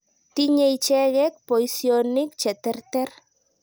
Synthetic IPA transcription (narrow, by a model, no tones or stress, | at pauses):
t̪iɲejt͡ʃeɣek̚poisjonɪk̚t͡ʃet̪eɾt̪eɾ